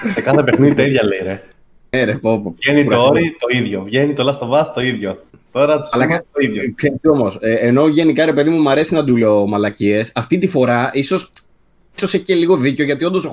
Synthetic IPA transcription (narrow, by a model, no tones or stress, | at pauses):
sekɐθepexniðit̪ɐiðʝɐleiɾe | eɾepopoenitɾɐooɾit̪o̞iðʝo̞vʝenit̪olɐst̪ovɐst̪o̞iðʝo̞t̪o̞ɾɐ̥sɐlɐkɐnoiðʝoksst̪io̞mo̞seːno̞ʝe̞nikɐɾe̞pe̞ðimumɐɾe̞sinɐd̪uleoomɐlɐcie̞sɐft̪it̪ifo̞ɾɐiso̞s | so̞seçceliɣo̞ðiceo̞ʝɐt̪io̞nd̪os